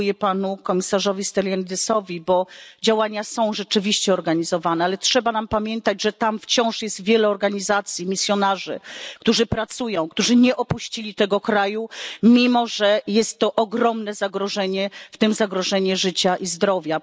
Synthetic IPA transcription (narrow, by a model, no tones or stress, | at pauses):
jɛpanukɔmʲisaʐɔvʲist̪ɛlʲjɛnd̪ɛsɔvʲibɔd͡ʑawaɲasɔ̃w̃ʐɛt͡ʂɘvʲiɕt͡ɕɛɔɾɡaɲizɔvanɛalɛtʂɛbanampamʲjɛnt̪ad͡ʑʐɛt̪amft͡ɕɔ̃w̃ʂjɛst̪vʲjɛlɛɔɾɡaɲizat̪sʲjimʲisʲjɔnaʐɘ̰kt̪uʐɘpɾat̪sujɔ̃w̃kt̪uʐɘɲɛʔɔpuɕt͡ɕilʲit̪ɛɡɔkɾajumʲimɔʐɛjɛst̪ːɔʔɔɡɾɔmnɛzaɡɾɔʐɛɲɛft̪ɘmzaɡɾɔʐɛɲɛʐɘt͡ɕaʔizd̪ɾɔvʲja